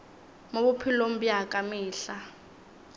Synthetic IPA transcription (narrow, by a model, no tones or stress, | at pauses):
moɓupʰilom̩bjakʼamiːɬa